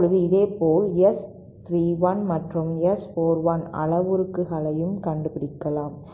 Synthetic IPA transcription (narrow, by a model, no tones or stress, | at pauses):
ɻɯðɯɪðeːpoːlɛs | t̪ɾiːʋɐnmɐʈrɯmɛsfoːɾʋɐnɐ̰ɭɐʋɯɾɯkːɯɣɐlɐjɯmkɐɳɖɯpɪɽɪkːɐlaːm